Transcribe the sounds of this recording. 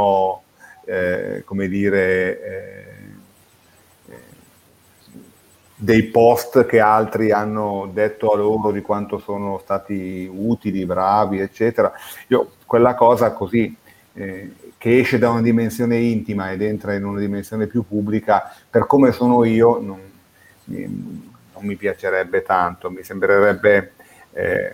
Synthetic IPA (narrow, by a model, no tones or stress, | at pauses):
ɔ | komed̪iːɾe | d̪ejpɔst̪k̟ealt̪ɾianːod̪et̪ːoalːoːɾod̪ikwant̪osoːnost̪aːt̪iuːt̪ilibɾaːviet͡ʃːɛːt̪eɾaiːokwelːakɔːzakozi | k̟eɛʃːed̪aunad̪imensjoːneint̪imaed̪ent̪ɾainunad̪imensjoːnepjupːubːlikaperkoːmesoːnoiːonon | ḭː | omːipjat͡ʃeɾɛbːet̪ant̪omisembɾeɾɛbːe | ɛ̰